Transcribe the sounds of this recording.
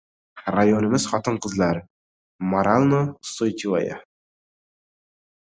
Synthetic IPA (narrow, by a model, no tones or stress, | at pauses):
rajonɪmɪz̥χɒt̪əɴqəzlˠɑɾ | maɾalˠnosojt̪ʲiva̰ja̰